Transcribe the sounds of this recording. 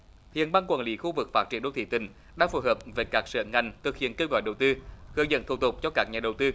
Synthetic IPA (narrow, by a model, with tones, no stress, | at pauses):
hḭ˧˨ənɓaː˧ŋkwaː˨˩lḭ˧˦xu˧vɨ˨˩k̚faː˦˥tt͡ɕi˨˩ənɗo˧˦t̪ʰḭ˧˩t̪ï˨˩ŋ̟ | ɗa̰ː˧˥fu˧˩jɦəː˨˩p̚ve˨˩kaː˦˥k̚sɨ̰ː˧˨˩ŋa˨˩jŋ̟t̪ʰɨ˨˩k̚hḭ˧˨ənke˧wɣɔ̰˧˨jɗə˨˩wt̪ɨ˧hɨ˧əzə̰˧˥nt̪ʰu˨˧˩t̪ʊ˨˩k͡p̚t͡ɕɔ˧kaː˦˥k̚ɲaː˨˩ɗə˨˩wt̪ɨ˧